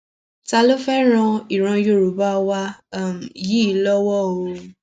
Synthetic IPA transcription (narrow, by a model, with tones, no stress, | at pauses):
ta˧lo˦fɛ˦ɾ̃ã˧i˨ɾ̃ã˧jo˦˨ɾu˨ba˦˧wa˧˦˨m̩˨ji˦˨˦lɔ˦wɔ˦˨o˧